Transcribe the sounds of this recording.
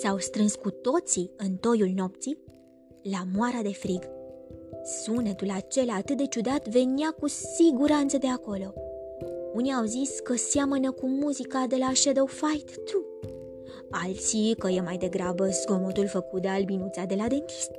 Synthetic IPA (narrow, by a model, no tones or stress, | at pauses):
sawst̪ɾɨnskut̪o̞t̪siɨnt̪o̞julno̞p̚t̪si | lamoaɾad̪e̞fɾiɡ | sunet̪ulat͡ʃe̞laːt̪ɨt̪̚d̪e̞t͡ʃud̪at̪ve̞niakusiɡuɾant̪səd̪e̞ako̞lo̞ | uniawziskəsjamənəkumuzikad̪e̞laʃed̪owfajt̪ːʰu | alt̪sikəjemajd̪e̞ɡɾabəsko̞mot̪ulfəkut̪̚d̪ealbinut̪sad̪e̞lad̪e̞nt̪i̥st̪̚